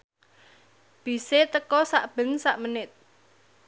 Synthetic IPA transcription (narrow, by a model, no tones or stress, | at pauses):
b̥i̤set̪əkɔsaʔb̥ə̤nsaʔmənɪt̪̚